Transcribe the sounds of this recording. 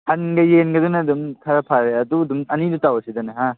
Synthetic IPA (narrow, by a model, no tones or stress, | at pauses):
hanɡɐjenɡɐdunɐdumkʰaɾapʰaɾeɐdudumɐnidutawɐsidɐnɐɦa